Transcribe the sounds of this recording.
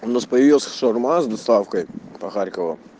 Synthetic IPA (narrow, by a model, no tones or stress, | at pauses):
ʊnaspəjɪvʲilˠəsʲʂɔrmazd̪ɐst̪afkəjpɐxaɾʲkəvə